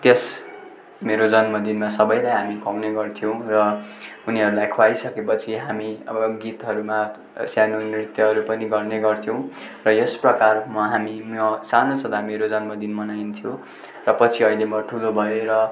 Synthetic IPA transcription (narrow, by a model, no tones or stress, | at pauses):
t̪jes | meɾod͡zʌnmʌd̪inmasʌbʌjlajɦamikʰawneɡʌrt̪ʰijow̃rʌuniɦʌɾulajkʰwajsʌkepʌt͡sʰiɦamiʌ̰bʌɡit̪ɦʌɾuma | sjanonrit̪jʌɦʌɾupʌniɡʌrneɡʌrt̪ʰjʌw̃ | rʌjesprʌkarmʌɦamimʌsanot͡sʰʌt̪ameɾod͡zʌnmʌd̪inmʌnajnt̪ʰijo | rʌpʌt͡sʰiʌilemʌʈʰulobʱʌjoɾʌ